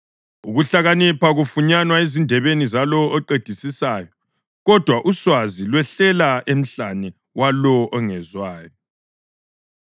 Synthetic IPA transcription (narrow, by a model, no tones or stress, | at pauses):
uɣuɬaɣanipʰaɣufuɲanwaezindʱɛβenizalɔɔǃed̥ʱisisaːjɔ | ɣɔd̥ʱwaʔuswazilwɛɬɛlaem̩ɬanɛ | walɔʔɔŋɛzwaːjɔ